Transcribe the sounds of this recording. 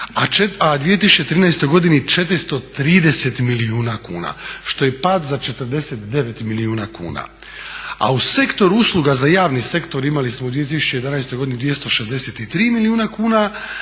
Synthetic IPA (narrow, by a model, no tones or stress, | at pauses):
at͡ʃead̪ʋije̞t̪̬isu̥t͡ʃe̞t̪ɾiːnajst̪o̞jɡo̞d̪init͡ʃe̞t̪ɾist̪o̞t̪ɾiːd̪eset̪miliuːnakṵːna̰ʃt̪o̞je̞pat̪zat͡ʃe̞t̪əɾd̪eset̪d̪e̞ʋe̞t̪miliuːnakṵːna̰ | a̰use̞kt̪o̞ɾuuslˠuɡazajaːʋnise̞kt̪o̞ɾimalismod̪ʋije̞t̪̬isu̥t͡ɕe̞jed̪anajst̪o̞jɡo̞d̪inid̪ʋije̞st̪o̞ʃezd̪e̞set̪it̪ɾiːmiliuːnakuːna